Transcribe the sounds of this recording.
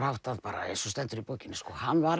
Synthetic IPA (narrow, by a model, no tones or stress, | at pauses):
ɾ̥hawht̪aðpaːɾa̰ḛsɔst̪ɛnt̪ʏɾipoːwcɪnːʏskɔːhanːvaɾ